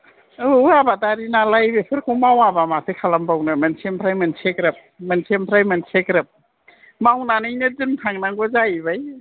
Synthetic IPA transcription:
ɯabadaɾinalajbepʰɯɾkʰumawabamasʰɯkʰalambawnɯmɯnsʰempʰɾajmɯnsʰekɾɯp̚mɯnsʰempʰɾajmɯnsʰekɾɯp̚ | mawnanɯjnɯdɯntʰaŋnaŋɡɔzajbaj

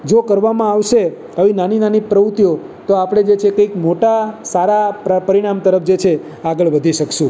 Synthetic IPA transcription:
d͡ʒokəɾʋamãaʋʃe | aʋinaninanipɾəʋut̪jo | t̪oapɽ̃ed͡ʒet͡ʃʰekəjkmoʈasaɾappəɾiɽ̃amt̪əɾəfʰd͡ʒet͡ʃʰe | aɡəɭʋəd̪ʱiʃəkʃũ

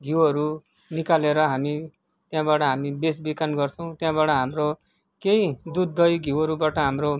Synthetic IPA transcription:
ɡʱiwɦʌɾu | nikaleɾʌɦami | t̪jãbaʈʌɦamibesbikanɡʌrt͡sʰʌw̃t̪jãbaʈʌɦamɾo | keid̪ud̪ːʌjɡʱiwɦʌɾubaʈʌɦamro

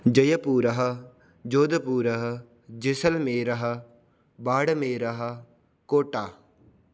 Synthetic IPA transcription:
d͡ʒəjəpuːɾəɦə | d͡ʒoːd̪əpuːɾəɦ | d͡ʒɪsəlmeːɾəɦ | baːɽmeːɾəɦ | koːʈaː

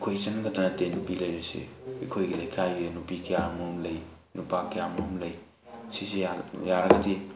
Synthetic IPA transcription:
kʰojsɐnɡɐtanɐtenupilɐjɾesḛikʰojɡilɐjkʰajɾenupikʰijamoɦomlɐj | nupakejamɐɦomlɐj | sisiajaɾɐɡɐdi

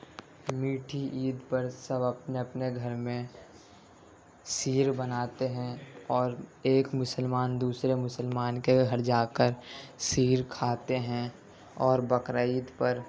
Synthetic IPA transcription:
miːʈʰiʔiːd̪pəɾsəbəpneɐpneɡʱəɾmẽ | siːɾbənaːt̪eɦɛ̃ɔːɾeːkmʊsəlmaːnd̪uːsɾemʊsəlmaːnkeɡʱəɾd͡ʒaːkəɾsiːɾkʰaːt̪eɦɛ̃ | ɔːɾbəkɾaiːd̪pəɾ

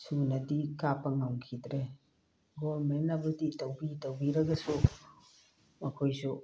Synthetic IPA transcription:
sunɐdikapɐŋawkʰidɾe | ɡoɾmenɐbɐditawbitawbiɾɐɡɐsu | mɐkʰojsu

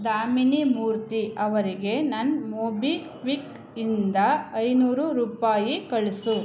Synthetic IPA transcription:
d̪aːminimuːɾt̪iʔɐʋɐɾiɡe̞nɐnmoːbi | ʋik | ind̪ɐɐjnuːɾuɾuːpaːjikɐɭesu

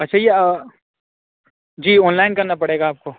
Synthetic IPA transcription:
ɐtːʃʰaje | d͡ʒiːɔːnlaːɪnkɐɾnapɐɽeːɡaːp̚ko

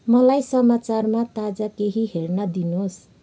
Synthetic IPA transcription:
mʌlajsʌmat͡sarmat̪ad͡zakeɦiɦernʌd̪inos

